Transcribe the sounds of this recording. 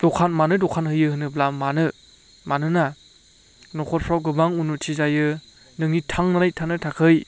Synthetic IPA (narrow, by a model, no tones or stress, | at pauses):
d̥ɔkʰanmanɯdɔkʰanhɯjɯhɯnɯblamanɯ | manɯna | nɔkʰɔt̚pʰɾawɡɯbaŋunutʰizajɯ | nɯŋitʰaŋnanajtʰanɯtʰakʰɯj